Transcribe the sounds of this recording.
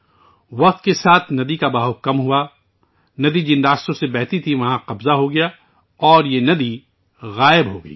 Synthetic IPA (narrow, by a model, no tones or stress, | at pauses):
ʋɐq̚t̪kesaːt̪ʰnɐd̪ikabaːɦʊkɐmɦʊa | nɐd̪id͡ʒɪnɾaːst̪õsebɛɦt̪it̪ʰiʋɐɦãqɐbzaɦoɡɐja | ɔːɾjenɐd̪i | ɣaːɪbɦoɡɐiː